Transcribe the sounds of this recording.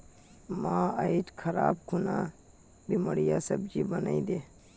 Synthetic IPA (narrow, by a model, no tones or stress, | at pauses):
mãːəiʈkʰəɾaːbkʰʊna | biməɽijasəbd͡ʒibəna̰id̪eː